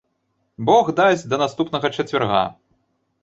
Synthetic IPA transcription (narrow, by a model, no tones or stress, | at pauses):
bɔɣd̪asʲd̪ɐnast̪upnɐɣɐt͡ʂɐt͡sʲvʲarɣa̰